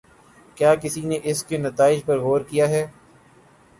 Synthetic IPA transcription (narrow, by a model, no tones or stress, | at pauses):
kjaːkɪsineʔɪskenɐt̪aːɪd͡ʒpɐɾɣoːɾkijaɦɛː